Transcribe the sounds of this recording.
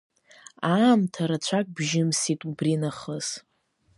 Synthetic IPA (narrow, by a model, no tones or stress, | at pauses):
aːmtʰaɾat͡ɕʷʰakʼbʒɪmsitʼubrinaχəz̥